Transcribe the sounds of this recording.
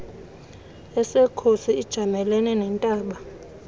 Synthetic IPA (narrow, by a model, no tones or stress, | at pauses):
ɛsɛkʰosiːd̥ʒ̥ʱamɛlɛnɛnɛntʼaːɓa